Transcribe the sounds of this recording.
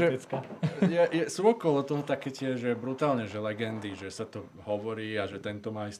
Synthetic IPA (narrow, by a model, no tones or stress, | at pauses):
ɛkajɛjɛsuɔkɔlɔt̪ɔɦɔt̪akɛːcɪɛʒʒɛbɾut̪aːlɲɛʒɛlɛɡɛnd̪iʒɛsat̪ɔ | ɦɔʋɔɾiːaʒɛt̪ɛnt̪ɔmaːist̪